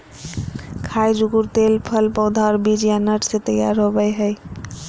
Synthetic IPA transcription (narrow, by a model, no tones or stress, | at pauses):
kʰajd͡ʒuɡuɾt̪elpʰəlpə̃wd̪ʱaɾbid͡ʒjanəʈʰset̪əja̰ɾɦobəjɦəj